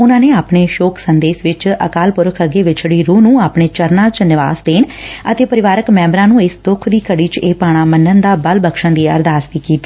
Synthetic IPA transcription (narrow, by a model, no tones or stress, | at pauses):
ʊnãːneːaːpɳeːʃoːksənd̪eːsʋɪt͡ʃə̰kaːlpʊɾəkʰəɡeːʋɪt͡ʃɽiːɾuːnũːaːpɳeːt͡ʃəɾnãːt͡ʃnɪʋa̰ːsd̪eːnət̪eːpəɾɪʋaːɾəkmɛ̃ːmbɾãːnũːɪsd̪ʊkʰd̪iːkəɽiːt͡ʃeːpaːɽ̃aːmənːənd̪aːbəlbəkʃə̃nd̪iːə̰ɾd̪aːsʋiːkiːt̪i̥ː